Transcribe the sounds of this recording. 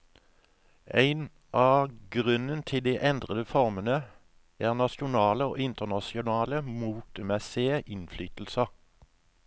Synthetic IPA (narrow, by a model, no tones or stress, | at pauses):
ʔæɪn | ʔɑːɡʁʉnənt̪ʰɪld̪iːʔɛnd̪ʁəd̪əfɔʁmənə | æːʁnɑʃʊnɑːləo̰ːʔɪnt̪əʁnɑsɪʊnɑːləmuːt̪əmɛseːʔɪnflyːt̪l̩sə